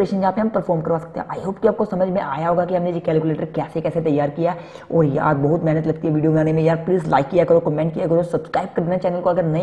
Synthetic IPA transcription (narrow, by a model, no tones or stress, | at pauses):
ɾeːʃənd͡ʒɦãːpeɦɐmpəɾfʰɔːɾmkɐɾʋaːsɐk̚t̪ḛɦɛ̰̃ʔaːiɦoːp̚kiaːp̚kosɐməd͡ʒʱmẽʔa̰ːjaɦoːɡakiɦɐmnejekɛːlkuleːʈəɾkɛːsekɛːset̪ɐjːaːɾkijaɛ | ɔːɾja̰ːd̪bɐɦʊt̪mɛɦːnət̪lɐɡ̚t̪iɦɛʋiːɖijobɐnaːnemẽjaːɾpliːzla̰ːɪkːijakɐɾokɔmẽːɳʈkijakɐɾosɐbskɾaːɪb̚kɐɾd̪naɛt͡ʃɛːnəlkoɐɡəɾnɐɦĩ